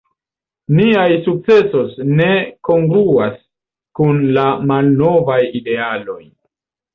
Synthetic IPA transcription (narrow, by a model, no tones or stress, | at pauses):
niajsuk̚t͡se̞so̞sne̞ko̞ŋɡluas | kunlamalno̞vajide̞alo̞j